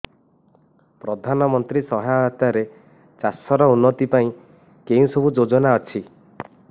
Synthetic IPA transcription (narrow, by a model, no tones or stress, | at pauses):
pɾɔd̪ʱanɔmɔnt̪ɾisɔɦjat̪aɾe | t͡ʃasɔɾɔunːɔt̪ipaĩ | kẽsɔbʱud͡ʒod͡ʒɔnaɔt͡ʃʰi